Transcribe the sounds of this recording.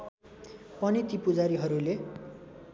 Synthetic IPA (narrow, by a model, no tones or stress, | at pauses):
pʌnit̪ipud͡zaɾiɦʌɾule